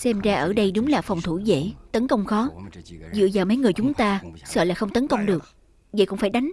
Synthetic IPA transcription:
sɛ˧mzaː˧ʔəː˧˩ɗə˧jɗʊ˨˦ŋ͡mlaː˨˩fa˨˩wŋ͡mt̪ʰu˧˩zḛ˧˥˨t̪ə˨˦nkə˧wŋ͡mxɔ˨˦zɨ̰˧˨əzaː˨˩mə˨˦jŋɨ˨˩əjt͡ɕʊ˨˦ŋ͡mt̪aː˧sə̰ː˧˨laː˨˩xə˧wŋ͡mt̪ə˨˦nkə˧wŋ͡mɗɨ˨˩ək̚ | və̰˧˨kʊ̰˧˥ŋ͡mfaː˧˩jɗa˨˦jŋ̟

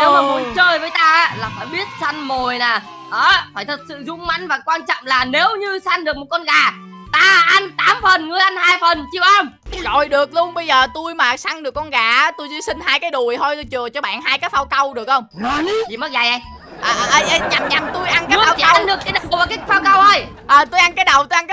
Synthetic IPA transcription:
ne˨˦wmaː˨˩mo˨˦nt͡ɕəː˧jvəː˨˦jt̪aː˧ʔa˨˦laː˨˩faː˧˩jɓi˦˥ət̚sa˧ŋmo˨˩jnaː˨˩ | ʔəː˨˦faː˧˩jt̪ʰə˨˩t̚sɨ̰˧˨zʊ˧ŋ͡mma̰˧˥ŋ̟vaː˨˩kwaː˧nt͡ɕɔ̰˧˨ŋ͡mmlaː˨˩ne˨˦wɲɨ˧sa˧ŋɗɨ˨˩ək̚mo˨˩t̚kɔ˧nɣaː˨˩ | t̪aː˧ʔa˧nt̪aː˨˦mfə˨˩nŋɨ˨˩əjʔa˧nhaː˧jfə˨˩nt͡ɕi˧˩ə˨wʔa˧mzɔ˨˩jɗɨ˨˩ək̚lu˧ənɓə˧jzəː˨˩t̪u˧jmaː˨˩sa˧ŋɗɨ˨˩əkːɔ˧nɣaː˧˩ʔt̪u˧jzi˧sï˧ŋ̟haː˧jkaː˨˦jɗu˨˩əjt̪ʰo˧jt̪jt͡ɕɨ˨˩ət͡ɕɔ˧ɓa̰ː˧˩˨nɦaː˧jkaː˨˦˥fa˧wkə˧wɗɨ˨˩ək̚hə˧wŋ͡mt͡ɕi˧˨˩mə˦˥k̚za˨˩jʔa˧ | ʔəː˨˩ʔʔjʔɲa˨˩mɲa˨˩mt̪u˧jʔa˧nkaaː˦˧˨nɗɨ˨˩ək̚ːa˨˦ɗva˨˩kaː˨˦˥faː˧wkə˧wʔə˧j | ʔəː˨˩t̪u˧jʔa˧nkaː˨˦jɗə˨˩wt̪jʔa˧nkː

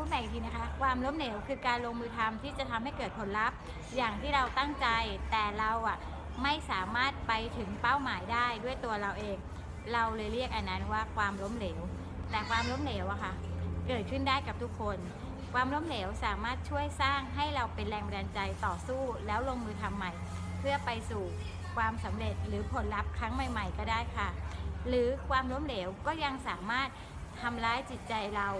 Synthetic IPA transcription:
u˦˥ma˨˩jŋt̪ʰiː˧na˦˥kʰa˦˥kʰwaː˧mlo˦˥mleː˩˦wkʰɯː˧kaː˧nloː˧ŋmɯː˧t̪ʰa˧mt̪ʰiː˥˩t͡ɕa˨˩t̪ʰa˧mhɦa˥˩jkɤː˨˩t̪̚pʰo˨˩˦nɾa˦˥p̚ | jaː˨˩ŋt̪ʰiː˥˩ɾa˧wt̪a˥˩ŋt͡ɕa˧jt̪ɛː˨˩ɾa˧wʔa˨˩ʔ | ma˥˩jsaː˩˦maː˥˩t̪̚pa˧jt̪ʰɯ˩˦ŋpa˥˩wmaː˩˦jdaː˥˩jdu˥˩əjt̪u˧ɐɾa˧wʔeː˧ŋ | ɾa˧wlɤː˧jɾi˥˩ək̚ʔa˧˩nːa˦˥nwaː˥˩kʰwaː˧mlo˦˥mleː˩˦w | t̪ɛː˨˩kʰwaː˧mlo˦˥mleː˩˦wʔa˨˩kʰa˦˥kɤː˨˩t̪̚kʰɯ˥˩ndaː˥˩jka˨˩p̚t̪ʰu˦˥kʰːo˧n | kʰwaː˧mlo˦˥mleː˩˦wsaː˨˩˦maː˥˩t̪̚t͡ɕʰu˥˩əjsaː˥˩ŋɦa˥˩jɾa˧wpe˧nɾɛː˧ŋpa˧daː˧nt͡ɕa˧jt̪ɔː˨˩suː˥˩lɛː˦˥wloː˧ŋmɯː˧t̪ʰa˧mːa˨˩j | pʰɯ˥˩ɐpa˧jsuː˨˩ | kʰwaː˧msa˩˦mɾe˨˩t̪̚ɾɯː˩˦pʰo˩˦nla˦˥p̚kʰɾa˦˥ŋma˨˩jma˨˩jkɔː˥˩daː˥˩jkʰa˥˩ɾɯː˩˦kʰwaː˧mlo˦˥mleː˩˦wkɔː˥˩ja˧ŋsaː˩˦maː˥˩t̪̚ʰː | a˧mɾaː˦˥jt͡ɕi˨˩t̪̚t͡ɕa˧jɾa˧w

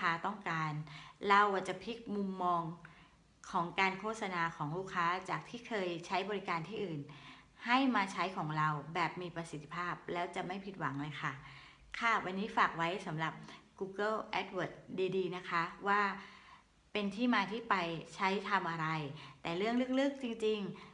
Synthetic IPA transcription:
aː˦˥t̪ɔ˥˩ŋkaː˧nɾa˧wa˨˩t͡ɕa˨˩pʰi˦˥k̚mu˧mːɔː˧ŋ | kʰɔː˩˦ŋkaː˧nkʰoː˥˩t̪̚sa˧naː˧kʰɔː˩˦ŋluː˥˩kʰaː˦˥t͡ɕaː˨˩k̚t̪ʰiː˥˩kʰɤː˧jt͡ɕʰa˦˥jbɔː˧ɾi˦˥kaː˧nt̪ʰiː˥˩ʔɯː˨˩n | ha˥˩jmaː˧t͡ɕʰa˦˥jkʰɔː˩˦ŋɾa˧wbɛː˨˩p̚miː˧pɾa˧si˨˩˦t̪ʰːi̥˧pʰaː˥˩p̚lɛː˦˥wt͡ɕa˨˩ma˥˩jpʰi˨˩t̪̚wa˩˦ŋlɤː˧jkʰa˥˩ | kʰa˥˩wʔa˧nːiː˦˥faː˨˩k̚wa˦˥jsa˩˦mɾa˨˩p̚kuː˧kɤ˥˩ʔɛ˦˥t̪̚wɤː˨˩t̪̚diː˧diː˧na˦˥kʰa˦˥waː˥˩ | pe˧nt̪ʰiː˥˩maː˧t̪ʰiː˥˩pa˧jt͡ɕʰa˦˥jt̪ʰa˧mʔa˧ɾa˧jt̪ɛː˨˩ɾɯ˥˩əŋlɯ˥ək̚lɯ˦˥˩k̚t͡ɕi˧ŋt͡ɕi˧ŋ

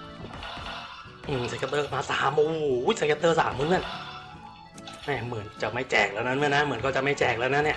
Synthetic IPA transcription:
ʔɯː˨˩msa˨˧˩ka˧t̪ːɤː˧˩maː˧˥sa̰ː˨˩˦mʔo˧hu˨˦˥jsa˧˥ka˧t̪ːɤː˧˩sa̰ː˩˦mːu˧˥˨nɯ˧˥˩n | mɛː˧˩mɯ˩˦ənt͡ɕa˨˩ma˥˩jt͡ɕɛː˨˩k̚laː˧˩˧na˦˥nmɯː˧˩˨na˦˥mɯ˩˦ənkʰɔ˧˩t͡ɕa˨˩ma˥˩jt͡ɕɛː˨˩k̚laː˧na˦˥nːiː˧˩

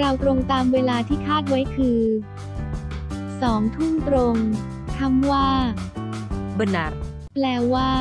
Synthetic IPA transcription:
ɾa˧wt̪ɾo˧ŋt̪aː˧mweː˧laː˧t̪ʰiː˥˩kʰaː˥˩t̪̚wa˦˥jkʰɯː˧ | sɔː˩˦ŋt̪ʰu˥˩mt̪ɾo˧ŋ | kʰa˥˩mwaː˥˩ | ba˧na˦˥ | plɛː˧waː˥˩

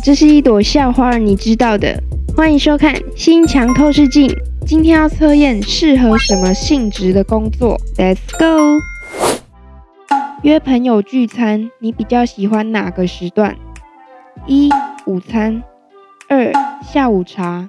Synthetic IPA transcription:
ʈ͡ʂɤ˥˧ʂɻ̩˥˧i˥˩t̪wɔ˨˩ɕjɑ˥˩ʊxwa˧˥ə˧˥ni˨˩ʈ͡ʂɻ̩˦t̪ɑ˥˩ʊd̪ə̰˨˩ | xwa˦˥ni˨˩ʂo˥ʊkʰa̰˥˨nɕi˥nt͡ɕʰjɑ˧˥ŋt̪ʰwɔ˥˧ʂɻ̩˥˧t͡ɕi˥˨n | t͡ɕi˥nt̪ʰjɛ˥njɑ˥˨˩ʊt͡sʰɤ˥jɛ˥˨nʂɻ̩˥˩xɤ˨˦ʂə˨˥nmə˧ɕi˥˩ŋʈ͡ʂɻ̩˧˦d̪ə˨ko˥˦ŋt͡swɔ̰˥˨t̪ɛ˨˩sko˥˦ | ɥɛ˥˩pʰə˧˥njo˨˩ʊt͡ɕy˥˩t͡sʰa˦˥nni˨˥pi˨˩t͡ɕjɑ˥˩ʊɕi˨˩xwa˦nna˨˩ɡə˨ʂɻ̩˧˥t̪wa̰˥˨n | i˦˥u˨˩t͡sʰa˦˥n | ə˥˩ɕja˥˩u˨˩ʈ͡ʂʰa˧˥

